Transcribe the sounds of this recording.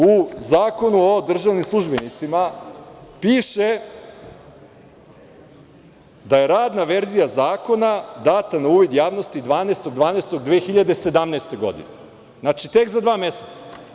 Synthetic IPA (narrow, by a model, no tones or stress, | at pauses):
uzaːko̞nuod̪r̩ʒaʋnimslˠuʒbenit̪sima | piːʃe | d̪aje̞ɾaːd̪naʋe̞ɾzijazaːko̞nad̪aːt̪anauːʋid̪jaːʋno̞st̪id̪ʋaːneːst̪o̞ɡd̪ʋaːnest̪o̞ɡd̪ʋeːxiʎad̪e̞se̞d̪amneːst̪e̞ɡo̞̰d̪ḭne | znat͡ʃit̪e̞kzad̪ʋaːme̞set̪sḁ